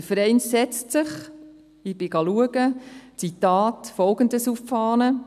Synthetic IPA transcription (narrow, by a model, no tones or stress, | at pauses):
əfəɾɛɪnsɛt͡stsɪχ | ɪb̥ɪɡ̥ɑluəɡət͡sitɑːtfɔlɡəndəsuffɑːnə